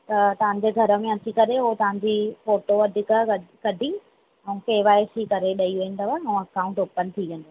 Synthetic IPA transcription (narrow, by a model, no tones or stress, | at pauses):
t̪ɐt̪ɐʋ̤ãɲ̆d͡ʑeɡʱɐɾəmẽɐt͡ɕikɐɾeɦot̪ɐʋ̤ãɲ̆d͡ʑifoːʈoɐd̪ʱɪkəɐkɐɖʱi | ɛ̃ũkeːʋaːesikɐɾeɗɐiʋuɪ̃n̆d̪əʋaɛ̃ũɐkaːʊ̃ɳʈoːpənt̪ʰiʋẽnd̪o